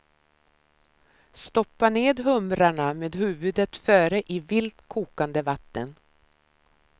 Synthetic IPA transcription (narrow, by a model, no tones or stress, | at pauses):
st̪ɔpːaneːd̪ɦɵmɾaɳameːd̪ɦʉ̟ːvɵd̪ət̪fœːɾəʔɪvɪlt̪kʰuːkand̪əvat̪ːən